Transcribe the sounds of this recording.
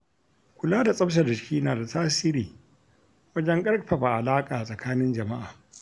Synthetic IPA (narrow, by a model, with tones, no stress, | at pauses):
kʷʊ˨laː˦da˨sʼɐ˦bʃ̬a˨dɪ˨ʃkʲiː˦naː˨da˨taː˦siː˦ɾiː˨ | wɐ˦d͡ʒɐ˦ŋkʼɐ˦ɽɸɐ˨ɸa˨ʔa˨laː˦kʼaː˨sʼɐ˨kʰaː˦nɪ˦nd͡ʒɐ˨ma˦ʔaː˨